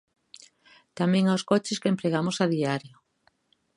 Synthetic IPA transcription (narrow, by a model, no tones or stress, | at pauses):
t̪amẽŋaoskɔt͡ʃɪskempɾeɣamosaðiaɾjo